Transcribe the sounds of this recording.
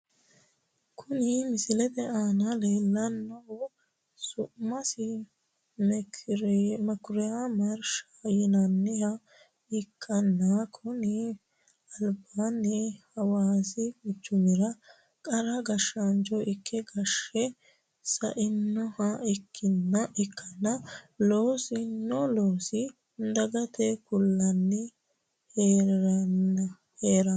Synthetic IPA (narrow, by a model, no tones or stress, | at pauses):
kʰʊnɪmɪsɪlɛd̪ɛʔaːnɐle̞ːlːɐnːɔhʊ | sʊʔmɐsɪ | m | mɐkʊɾɛjamɐɾʃɐ̥jɪnɐnːɪhɐ | ɪkʰːɐnːakʰʊnɪ | ɐlbaːnːɛhɐwaːsɪkʊt͡ʃːʊmɪɾɐ | kʼɐɾɐɡɐʃɐnd͡ʒɔʔɪkʰːɛɡɐʃɛ | sɐʔɪnːɔhɐɪkʰːɪnːɐʔɪkʰːɐnːɐloːsɪnɔloːsɪ | nd̪ɐɡɐt̪ɛkʊlːɐnːɪ | heːɾɐn | heːɾɐ